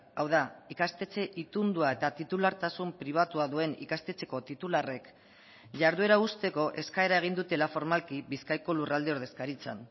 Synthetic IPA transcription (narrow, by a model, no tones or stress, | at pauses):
awðaikast̪e̞t͡se̞ʔit̪und̪uae̞t̪at̪it̪ulaɾt̪asumpɾiβ̞at̪uaðue̞nḭkast̪e̞t͡se̞̥ko̞t̪it̪ulare̞k | ʝaɾðue̞ɾaust̪e̞ko̞ʔe̞skae̞ɾae̞ɣ̞ind̪ut̪e̞lafo̞ɾmalkiβiskajko̞lurald̪e̞o̞ɾðe̞skaɾit͡sa̰n